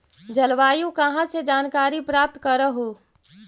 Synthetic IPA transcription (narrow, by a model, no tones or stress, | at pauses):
d͡ʒəlʋaːjũkəɦãsed͡ʒaːnkaːɾipɾaːp̚t̪kəɾəɦoː